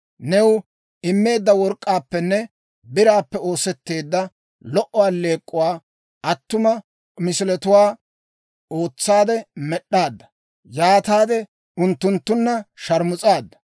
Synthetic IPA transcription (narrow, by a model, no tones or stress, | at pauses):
nɛw | ɪmːe̞ːd̪ːɐwɔɾkʼːaːpːɛnːɛ | bɪɾaːpːɛo̞ːsɛt̪ːe̞ːd̪ːɐ | lɔʔɔwaːle̞ːkʼːʊwaː | ʔɐt̪ːʊmɐ | mɪsɪlɛt̪ʊwaː | oːt͡sːaːd̪ɛmɛɗːaːd̪ːɐ | jaːt̪aːd̪ɛ | ʊnt̪ːʊnt̪ːʊnːɐʃɐɾmʊt͡sʼaːd̪ːɐ̥